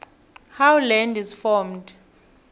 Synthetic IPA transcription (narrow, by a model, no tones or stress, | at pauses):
hawlɛndizfɔmd